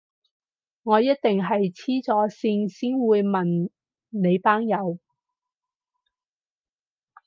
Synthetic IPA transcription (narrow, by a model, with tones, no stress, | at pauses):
ŋɔː˨˧jɐ˥t̚t̪ɪ˨ŋɦɐ˨jt͡sʰiː˥t͡sɔː˨˥siː˧˥nsiː˥nwuː˨˧jmɐ˨n | ne˨˧jpaː˥ŋjɐ˨˧w